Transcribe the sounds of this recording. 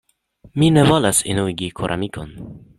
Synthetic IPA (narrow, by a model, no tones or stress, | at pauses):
minevolasḭnuiɡikʰoɾʔa̰mikʰon